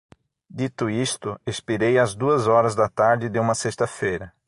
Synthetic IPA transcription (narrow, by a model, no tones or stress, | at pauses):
d̪it̪ʊist̪ʊespiɾejɐzd̪uɐzɔɾɐzd̪ɐt̪aɾd̪ɪd̪ɪũmɐsest̪ɐfejɾɐ